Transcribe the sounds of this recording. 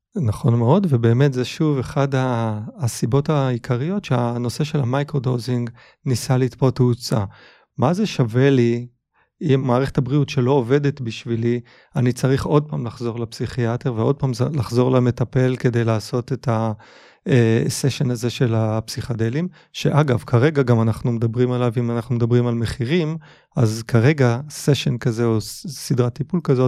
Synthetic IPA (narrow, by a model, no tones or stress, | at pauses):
naχo̞nmeo̞dvebe̞ːme̞tzeʃuve̞χadaːsibo̞taikʰaʁijo̞tʃeano̞se̞ʃelamajkʁodowziŋɡ | nisalit̪poteut͡sa̰ | maze̞ʃave̞li | imːaːʁeχetabʁiutʃe̞lo̞ːve̞de̞t̪biʃvili | anit͡saʁiχo̞d̚paːmlaχzo̞ʁlapsiχiat̪eʁveo̞d̪̚paːmzlaχzo̞ʁlame̞t̪ape̞lke̞de̞jlaːso̞t̪eta | eseʃenaze̞ʃe̞lapsiχade̞lim | ʃe̞ʔaɡavkʰaʁe̞ɡaɡamanaχnume̞d̪abʁimalavimanaχnumedabʁimalme̞χiʁim | azkʰaʁe̞ɡaseʃenkaze̞osidʁat̪ːipulkazo̞t